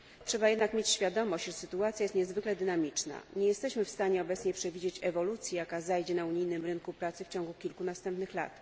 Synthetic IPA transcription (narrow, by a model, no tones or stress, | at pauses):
tʂɛbajɛd̪nakmʲjet͡ɕɕfʲjad̪ɔmɔɕt͡ɕʐɛsɘt̪uat̪sʲjajɛst̪ɲɛzvɘklɛd̪ɘnamʲit͡ʂna̰ɲɛjɛst̪ɛɕmɘfst̪aɲɛɔbɛt̪sɲɛpʂɛvʲid͡ʑet͡ɕɛvɔlut̪sʲjijakazajd͡ʑɛnauɲijnɘmɾɘŋkupɾat̪sɘft͡ɕɔŋɡukʲilkunast̪ɛmpnɘxla̰t̪